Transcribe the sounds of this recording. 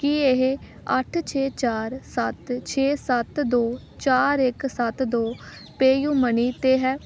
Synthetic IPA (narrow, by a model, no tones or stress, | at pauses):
kiːeɦ | əʈʰt͡ʃʰeːt͡ʃaːɾsət̪t͡ʃʰeːsət̪d̪oː | t͡ʃaːɾɪksət̪d̪oː | peːjũːməniːt̪eːɦɛː